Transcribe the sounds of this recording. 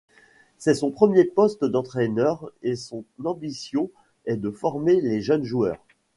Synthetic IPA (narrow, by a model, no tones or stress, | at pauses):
sɛsɔ̃pχəmjepɔst̪d̪ɑ̃t̪χɛnœʁesɔ̃nɑ̃bisjɔ̃ | ɛd̪əfɔʁmeleʒənʒuœ̰ːʁ